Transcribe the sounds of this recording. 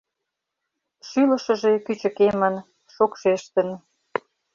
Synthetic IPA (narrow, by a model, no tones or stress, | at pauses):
ʃylə̆ʃə̆ʒe̽kyt͡ɕə̆kemən | ʃokʃeʃt̪ən